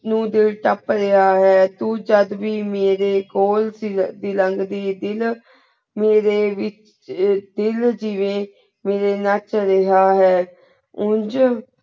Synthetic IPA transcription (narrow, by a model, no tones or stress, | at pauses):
nũːd̪ɪlʈəpɾəɦaːɦɛːt̪uːd͡ʒəd̪ʋiːmeːɾeːkoːlsid̪iləŋɡd̪iːd̪ɪl | meːɾeːʋɪt͡ʃ | d̪ɪld͡ʒiʋẽː | meːɾeːnət͡ʃɾəɦaːɦɛː | ʊ̃nd͡ʒ